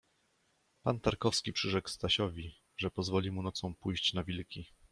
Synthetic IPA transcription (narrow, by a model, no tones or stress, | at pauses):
pant̪aɾkɔfskʲipʂɘʐɛkst̪aɕɔvʲi | ʐɛpɔzvɔlʲimunɔt̪sɔ̃w̃pujɕt͡ɕnavʲilkʲi